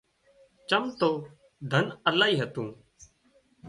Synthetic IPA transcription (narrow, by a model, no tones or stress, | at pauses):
t͡ʃəmt̪oː | d̪ʱənəlaːɦiːɦət̪ũː